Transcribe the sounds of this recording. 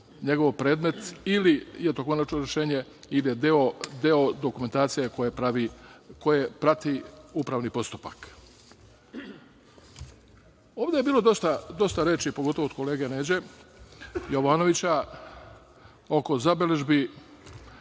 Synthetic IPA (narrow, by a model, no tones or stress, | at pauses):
ɲe̞ɡo̞ʋpɾe̞ːd̪me̞t̪ilijet̪o̞ko̞nat͡ʃnoɾe̞ʃe̞ːɲe̞ | ilijed̪eo̞d̪eo̞d̪o̞kume̞nt̪aːt̪sijekoepaʋiko̞je̞pɾat̪iupɾaːʋnipo̞st̪u̥pak | o̞ːʋd̪e̞jebiːlo̞d̪o̞st̪ad̪o̞st̪aɾeːt͡ʃipo̞ɡot̪oʋod̪kole̞ːɡeneːd͡ʑe̞ | jo̞ʋaːno̞ʋit͡ɕa | o̞ko̞zabele̞ʒbi